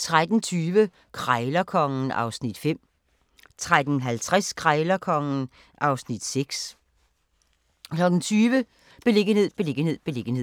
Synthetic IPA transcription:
t͡sʰʁad̥n̩t͡sʰyːʋə | kʰʁaɪlɐkʰɒ̽ŋn̩ɑ̈ʊsnid̥fem̰ | t͡sʰʁad̥n̩ɦælt͡sʰʁaskʰʁaɪlɐkʰɒ̽ŋn̩ | ʔɑ̈ʊsnid̥seɡ̥s | kʰlɒ̽ɡ̥n̩t͡sʰyːʋə | b̥e̝le̝ɡ̥əhe̝ð̰ˠb̥e̝le̝ɡ̥ən̩he̝ð̞̰ˠb̥e̝le̝ɡ̥ən̩he̝̰

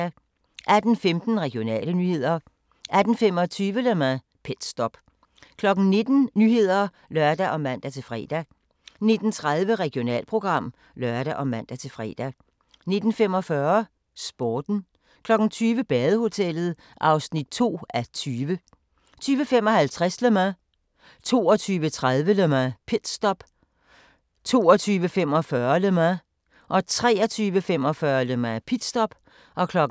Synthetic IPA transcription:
æ | ʔæd̥n̩femd̥n̩ʁɛɡ̥jo̝nɛ̰ːlənyhe̝ð̞̰ˠɐ | ʔæd̥n̩femɒ̽t͡sʰyːʋəlemæ | pʰed̥sd̥ɒb̥ | kʰlɒ̽ɡ̥n̩ne̝d̥n̩nyːhe̝ð̞̰ˠɐ | lɶɐd̥æʔɒ̽mæn̰d̥æt͡sʰe̝lfʁɛ̰ːd̥æ | ne̝d̥n̩t͡sʰʁað̞ˠʋəʁɛɡ̥io̝nɛ̰ːlpʰʁo̝ɡ̥ʁɑ̈m̰ | lɶɐɾ̥æʔɒ̽mæn̰d̥æt͡sʰe̝lfʁɛ̰ːd̥æ | ne̝d̥n̩fem̰ɒ̽fɶɐ | sb̥oːd̥n̩ | kʰlɒ̽ɡ̥n̩t͡sʰyːʋəb̥ɛːðˠəho̝t͡sʰel̰ð̞̩ˠ | ʔɑ̈ʊsnid̥̚t͡sʰo̝̰ːæt͡sʰyːʋə | t͡sʰyːʋəfemɒ̽hælt͡sʰʁasləmæ | t͡sʰo̝̰ːɒt͡sʰyːʋət͡sʰʁaðˠʋəlømæpʰed̥sd̥ɒ̽b̥ | t͡sʰo̝ːɒt͡sʰyːʋəfem̰ɒ̽fɶːɐlømæ | ʔɒ̽t͡sʰʁɛ̰ːɒt͡sʰyːʋəfem̰ɒ̽fɶːɐlømæpʰid̥sd̥ɒ̽b̥ | ʔɒ̽kʰlɒ̽ɡ

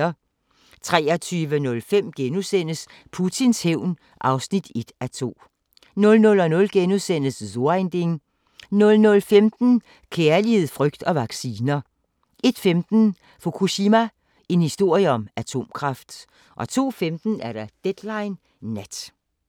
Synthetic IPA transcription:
ɐ | t͡sʰʁɛːɒt͡sʰyːʋənɔ̽lfem̰ɡ̥enuðˠsen̰əs | pʰut͡sʰinsheʊ̰n | ʔɑ̈ʊsnid̥e̝d̥æt͡sʰo̝̰ː | nɔ̽lnɔ̽lɒ̽nɔ̽lɡ̥enuðˠsen̰əszoend̥e̝ŋ | nɔ̽lnɔ̽lfemd̥n̩ | kʰeɐlihe̝ð̰ˠfʁœɡ̥̚d̥ɒ̽ʋɑ̈ɡ̥siːnɐ | ʔe̝d̥femd̥n̩ | fo̝kʰuɕimæ | e̝nhisd̥o̝ɐ̰jəɒ̽mæt͡sʰo̝̰ːmkʰʁɑ̈fd̥ | ʔɒ̽t͡sʰo̝̰ːfemd̥n̩æɐɾ̥ɑ̈d̥ed̥lɑ̈ɪnː | æd̥

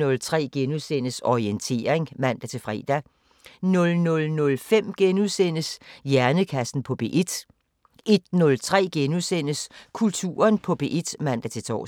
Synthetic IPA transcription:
ɔ̽lt͡sʰʁɛ̰ːɡ̥enuðˠsen̰əsɒient͡sʰe̝̰ːɐeŋmæn̰d̥æt͡sʰe̝lfʁɛ̰ːd̥æ | nɔ̽lnɔ̽lnɔ̽lfem̰ɡ̥enuðˠsen̰əsjæɐnəkʰæsn̩pʰɒ̽b̥e̝̰ʔed̥ | e̝d̥nɔ̽lt͡sʰʁɛ̰ːɡ̥enusen̰əskʰult͡sʰṵːɐnpʰɒ̽b̥e̝̰ʔed̥mæn̰d̥æt͡sʰe̝t͡sʰɒ̰ː

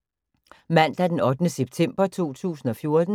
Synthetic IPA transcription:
mæn̰d̥æɐd̥enɒ̽d̥ənəseb̥̚t͡sʰem̰b̥ɐt͡sʰo̝̰ːt͡sʰṵːsn̩ɒ̽fjo̝ɐd̥n̩

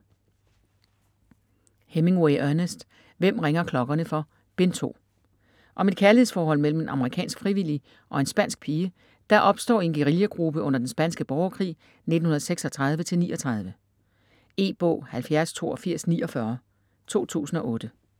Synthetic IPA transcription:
heme̝ŋweɪʔøɐnəsd̥ | ʋem̰ʁeŋɐkʰlɒ̽ɡ̥ɐnəfɒ̽ | b̥ent͡sʰo̝̰ː | ʔɒ̽me̝d̥kʰæɐlihefɒːhɒ̽l̰mel̰m̩e̝nʔɑ̈məʁikʰɛ̰ːnsɡ̥fʁiʋil̰i | ʔɒ̽e̝nsb̥æn̰sɡ̥̚pʰiːə | d̥ɑ̈ʔɒ̽b̥sd̥ɒ̰ːe̝nɡ̥eʁiljəɡ̥ʁub̥əɔ̽n̰ɐd̥ensb̥ænsɡ̥əb̥ɒʊɐkʰʁḭː | ne̝d̥n̩hunɐðˠseɡ̥sɒ̽t͡sʰʁɑ̈ð̞ˠʋət͡sʰe̝lnḭːʔɒ̽t͡sʰʁɑ̈ð̞ˠʋə | e̝̰ːb̥ɔ̰̽ːhælfjæɐst͡sʰo̝̰ːɒfiɐ̰sniːɒ̽fɶɐ | t͡sʰo̝̰ːt͡sʰṵːsn̩ɒ̽ʔɔ̽ːd̥ə

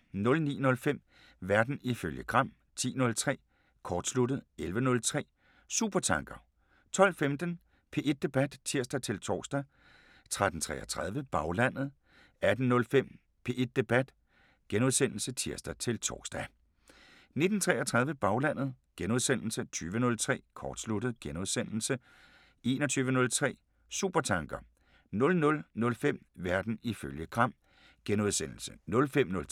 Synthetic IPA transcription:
nɔ̽lnḭːnɔ̽lfem̰ | ʋæɐd̥n̩iføljəɡ̥ʁɑ̈m̰ | t͡sʰḭːnɔ̽lt͡sʰʁɛ̰ː | kʰɒːd̥slud̥ð̩ˠelʋənɔ̽lt͡sʰʁɛ̰ː | suːb̥ɐt͡sʰɑ̈ŋɡ̥ɐ | t͡sʰɒ̽l̰femd̥ən | pʰe̝ʔe̝d̥̚ːe̝b̥æd̥t͡sʰiɐ̰sd̥æt͡sʰe̝lt͡sʰɒ̰ːsd̥æ | t͡sʰʁad̥n̩t͡sʰʁɛ̰ːʔɐt͡sʰʁɑð̞ˠʋəb̥ɑ̈ʊlæn̰ð̩ˠ | æd̥n̩nɔ̽lfem̰ | pʰe̝ʔe̝d̥̚ːe̝b̥æd̥ | ɡ̥enoðˠsen̰l̩sət͡sʰiɐsd̥ɐt͡sʰe̝lt͡sʰɒ̰ːɡ̥sd̥æ | ne̝d̥n̩t͡sʰʁɛːɐt͡sʰʁɑ̈ð̞ˠʋəb̥ɑ̈ʊlæn̰ð̩ˠ | ɡ̥enuð̞ˠsen̰l̩sət͡sʰyːʋənɔ̽lt͡sʰʁɛ̰ːkʰɒ̰ːd̥slud̥ð̞̩ˠɡ̥enuð̞ˠsen̰l̩sə | ʔe̝ːnɒt͡sʰyːʋənɔ̽lt͡sʰʁɛ̰ː | sṵb̥ɐt͡sʰɑ̈ŋɡ̥ɐ | nɔ̽lnɔ̽lnɔ̽lfem̰ʋæɐd̥n̩iføljəɡ̥ʁɑ̈m̰ | ɡ̥enoðˠsen̰l̩sənɔ̽lfem̰nɔ̽l

